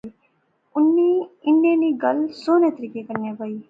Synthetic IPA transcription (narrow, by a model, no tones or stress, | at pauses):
ʊnːiːɪnːeniːɡəlsoːnẽt̪əɾiːkekəɾnjabaːiː